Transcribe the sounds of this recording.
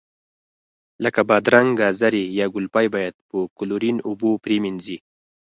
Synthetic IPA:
ləkabɑd̪ɾaŋɡɡazaɾijɑɡʊlpɑjbɑjad̪̚pəkʊluɾinubopɾeminzi

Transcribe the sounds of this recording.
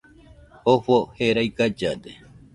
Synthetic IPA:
ofoheɾajkad͡ʒad̪e

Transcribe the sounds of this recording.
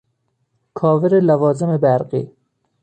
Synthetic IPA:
kʰɒːveɾelævɒːzemebæɾɢḭː

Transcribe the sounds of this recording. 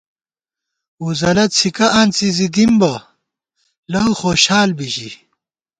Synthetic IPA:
uzɐlɐt̪̚t͡sʰikɐʔɐnt͡sizid̪imbɐ | lɐwxoːɕaːlbiɕḭ

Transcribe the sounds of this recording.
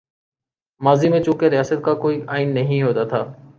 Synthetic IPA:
maːziːmẽːt͡ʃũːkeɾɪjaːsət̪̚kaːkoːiːʔaːɪnːəɦĩːɦoːt̪aːt̪ʰaː

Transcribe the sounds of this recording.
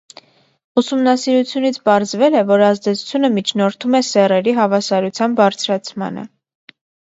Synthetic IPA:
usumnɑsiɾut͡sʰjunit͡sʰpɑɾzvɛlɛvɔɾɑzd̪ɛt͡sʰu̥t͡sʰjunəmit͡ʃʰnɔɾt̪ʰumɛsɛrɛɾiɦɑvɑsɑɾut͡sʰjɑnbɑɾt͡sʰɾɑt͡sʰmɑ̰nə̰

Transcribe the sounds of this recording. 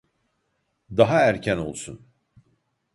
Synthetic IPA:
d̪aɦaæɾcʰæno̞lˠsun

